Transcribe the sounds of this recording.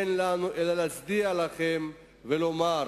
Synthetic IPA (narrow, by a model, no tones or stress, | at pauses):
enlanuʔelalat͡sd̪ialaχe̞m | velo̞ma